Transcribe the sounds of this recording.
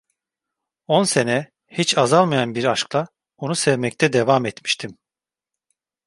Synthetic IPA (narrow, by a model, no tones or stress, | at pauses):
o̞nse̞nɛ | hit͡ʃazalˠmajanbiɾaʃklˠa | onusɛvmɛc̚t̪ʰɛd̪evamɛt̪mi̥ʃt̪ʰim